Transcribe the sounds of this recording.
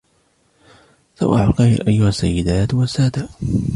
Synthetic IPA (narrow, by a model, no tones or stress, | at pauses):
sa̰wʔaʕalqɑj̰lʔajːʊhasːa̰jːɪd̪aːt̪wasaːd̪a